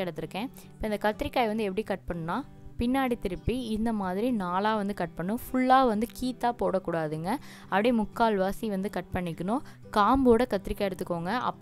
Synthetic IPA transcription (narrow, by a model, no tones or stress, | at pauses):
ɽɐt̪ːɪɾɯkːẽː | pːoːɪnd̪ɐkɐt̪ːɪɾɪkːaːjʋɐnd̪ɯɛpːɐɽikɐʈ̚pɐɳːnaː | pɪnːaːɽit̪ɪɾɯpːiɪnd̪ɐmaːðɪɾinaːlaːʋɐnd̪ɯkɐʈ̚pɐɳːʊ̃fʊɭːaːʋɐnd̪ɯkiːt̪ːaːpoːɽɐkːuːɽaːðɯːŋɡɐ | ɐʋɐɽemʊkːaːlʋaːsiʋɐnd̪ɯkɐʈ̚pɐɳːɪkːɐnʊ̃ | kaːmboːɽɐkɐt̪ːɪɾɪkːaːjɛɽɯt̪ːɯkːoːŋɡɐɐ̰pː